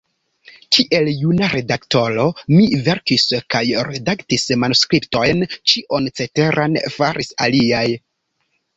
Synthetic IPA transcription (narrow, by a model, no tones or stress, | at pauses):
kiʔe̞ljunaɾe̞dakto̞ɾo̞mive̞ɾkiskajɾe̞daktismanuskɾipto̞jnt͡ʃiʔo̞nt͡se̞te̞ɾʔanfaɾʔisa̰liaj